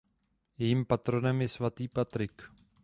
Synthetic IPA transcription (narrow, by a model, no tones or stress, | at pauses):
jɛjimpat̪ɾo̞nɛmjɛsvat̪iːpat̪ɾɪk